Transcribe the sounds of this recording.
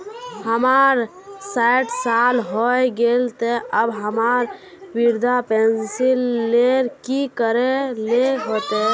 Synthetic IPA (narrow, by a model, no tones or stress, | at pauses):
həmaɾ | saɪʈsalɦɔeɡelt̪eəbɦəmaːɾ | wiɾd̪ʱapẽnsilːeɾkikəɾeleɦot̪e